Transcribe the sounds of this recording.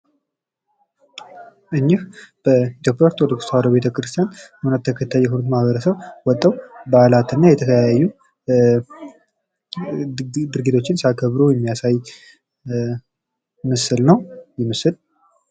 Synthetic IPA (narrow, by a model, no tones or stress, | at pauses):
ʔɨɲːɪhb̥əit̪ʰjo̞pʼjaɾt̪ʰwɔd̪əkust̪ʰawɾəbe̞t̪ʰəkɾɨst̪ʰijanhunət̪ʰːəkʰət̪ʰːajːɛɦunut̪mahβəɾəsəβwɔt̪ʼːəwbalat̪ɨnːajɛt̪ʰəkʰəjajajːu | d̪ɨɾɡit̪ʰo̞t͡ʃːɪnsakʰəβɾujɛmːijasaj | mɨsɨlnəwjɪmɨsɨl